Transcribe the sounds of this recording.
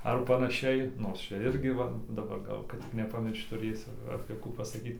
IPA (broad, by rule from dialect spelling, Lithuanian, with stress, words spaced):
ɐr pɐnɐˈʃʲɛɪ ˈnoːrs ˈt͡ʃʲɛ ˈɪrʲɡʲɪ ˈʋɐ dɐˈbɐr ˈɡɐlˠ kɐt tʲɪk nʲɛpɐˈmʲɪrʃt͡ʃ tʊˈrʲeːsʲʊ ɐpʲeː ˈkuː pɐsɐˈkʲiːt